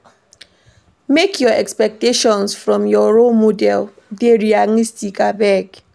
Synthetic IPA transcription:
mekʰjɔɛkspɛk̚teʃɔ̃nsfɹɔ̃mjɔɹolmodɛl | deɹialistikabɛk

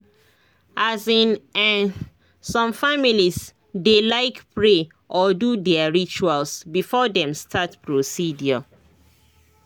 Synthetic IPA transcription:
ʔazĩnãn | sɔ̃mfamilis | delaɪkpɹe | ʔɔdudɛaɹit͡ʃualsbifɔdɛ̃mstʰatpɹosidjɔ

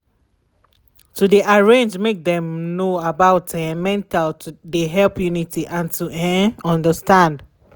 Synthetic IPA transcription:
tudiʔaɹẽnd͡ʒmek̚dɛ̃mnoabaʊtɛ̃mɛ̃ntaltʰudeɦɛlpjunitiʔãntʰuɛ̃ɔ̃ndəstãnd

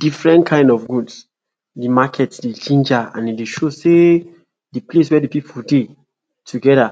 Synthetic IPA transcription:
d̥ifɹɛ̃ntkʰãɪ̃ndɔfɡuds | dimakʰɛtsdet͡ʃĩnd͡ʒaã̰nedeʃose | diples̬wɛdipipʰulde | tʰuɡɛɾa

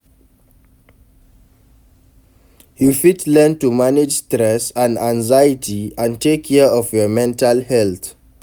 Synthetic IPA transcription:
hjufitlɛntumanɪd͡ʒstɹɛsãnãŋzajitʰiãntekʰːɛɔvjəmɛ̃ntalhɛlt̪

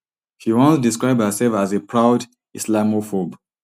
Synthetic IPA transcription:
hiwɔ̃nsdiskɹaɪbhəsɛlfazepʰɹaʊd | islamofob

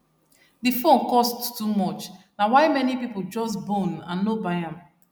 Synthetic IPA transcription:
difõnkɔsttumɔt͡ʃnawaɪmɛnipipold͡ʒɔsbõnãnːobaɪãm

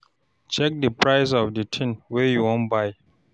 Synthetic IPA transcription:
t͡ʃɛk̚dəpʰɹajs̬ɔfdətʰĩnwɛjuwɔ̃nbaj

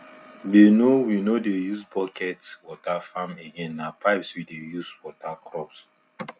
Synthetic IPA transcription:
denowinodejuspɔkʰɛtwɔtafãmeɡɛ̃nːapaɪpswidejuswɔtakɹɔps

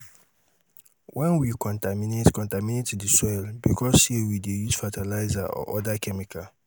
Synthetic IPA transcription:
wʔɛ̃nwikʰɔ̃ntaminetkɔ̃ntamĩnetdisɔɛlbḭkʰɔsʃewidejuz̥fatʰalaɪzaʔɔ̰ʔɔdakʰɛmikʰa

